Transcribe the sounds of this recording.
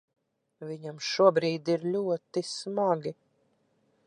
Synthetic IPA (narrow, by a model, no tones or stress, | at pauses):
viɲamʃuɔbɾiːd̪iɾʎʲuɔt̪ismaɡi